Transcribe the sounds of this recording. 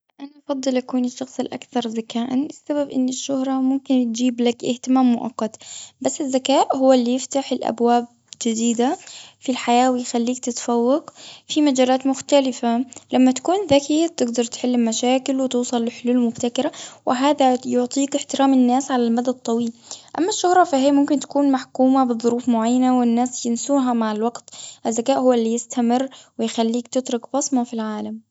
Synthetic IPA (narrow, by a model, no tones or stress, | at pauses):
ʔanaʔɑfɑd̪ˤːɨlʔakuːnɪʃːɑxsˤɪlʔa̰kθɑɾˤzakaːʔanɪsːababʔɪ̰nːɪʃːʊhɾˤɑmʊmkɪnt̪̚d͡ʒiːblakʔɪ̰ht̪ɪmaːmːʊʔɑ̰qːɑt̪basːɪzːakaːʔɦʊwːalːijɪft̪aħɪlʔa̰bwaːb̚ | d͡ʒɪd̪iːd̪afilħajaːwɪjxalːiːk̚t̪ɪt̪fawːɑɡfimad͡ʒaːlaːt̪mʊxt̪alɪfalamːat̪ḁkuːnðakit̪ɪɡd̪ɑɾˤt̪ħɪlːɪmmaʃaːkɪlwɪt̪uːsˤɑlːɪħʊluːlmʊbt̪akɪɾawʔɪɦaːðajʊʕt̪ˤiːkɪħt̪ɪɾaːmɪnːaːsʕalalmad̪ad̪̚t̪ˤːɑwiːlʔamːaʃːʊhɾˤɑfahɪjmʊmkɪnt̪ḁkuːnmaħkuːmabɨðˤːʊɾuːfmʊʕajːanawɪnːaːsjɪnsuːɦamaʕɪlwaɡt̪ʔɪzːakaːʔhʊwːalːijɪst̪amɪrːwɪjxalːiːkt̪ɪt̪ɾʊkbɑsˤmɑfilʕaːlam